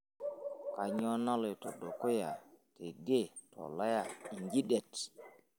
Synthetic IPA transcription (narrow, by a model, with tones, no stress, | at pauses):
ka˨ɲɔ˦na˦lo˨jto˨do˨ko˦ja˨te˨ɡe˦˨ | tʰɔ̰˨la˦ja˨i˨ŋɡi˦ɗe˨t